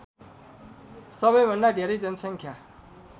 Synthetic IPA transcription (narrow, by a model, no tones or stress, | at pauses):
sʌbʌjbʱʌnɖadʱeɾʌjd͡zʌnʌsʌŋkʰja